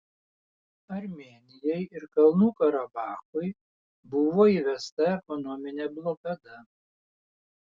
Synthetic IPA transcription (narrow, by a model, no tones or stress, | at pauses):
ɐɾʲmʲeːnʲɪjɔjɪɾkɐlˠnuːkɐɾɐbɑːxʊɪ | bʊʋoːiːʋʲɛst̪ɐɛkɔnɔmʲɪnʲɛblˠɔkɐd̪ɐ